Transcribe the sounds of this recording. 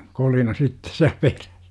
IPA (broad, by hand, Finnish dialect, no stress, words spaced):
kolinɑ sitːe siæ peræ̥s